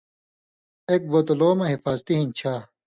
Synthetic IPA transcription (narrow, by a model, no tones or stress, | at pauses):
ek̚bɐt̪oloːmɐɦifaːzt̪iɦint͡ɕʰaː